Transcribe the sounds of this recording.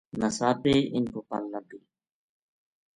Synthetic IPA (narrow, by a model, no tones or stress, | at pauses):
nəsaːpeːɪnkoːpəlːəd̪eː